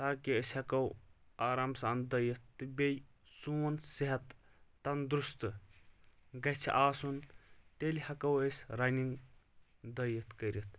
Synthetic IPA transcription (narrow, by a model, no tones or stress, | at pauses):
t̪aːkiəsʲhɐkɐw | aːɾaːmsand̪ɐjɐt̪ːɨbʲej | suːɐnsiɦɐt̪ː | ɐnd̪ɾust̪ɨ | ɡɐt͡ʃʰḭʔaːsunt̪elʲhɐkɐwesʲɾɐniŋɡ | d̪ɐjɐt̪ʰkɐɾʲit̪̚ʰ